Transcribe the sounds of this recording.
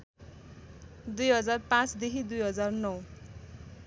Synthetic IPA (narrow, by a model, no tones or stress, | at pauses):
d̪ujɦʌd͡zarpãt͡sd̪ekid̪ujɦʌd͡zarnʌw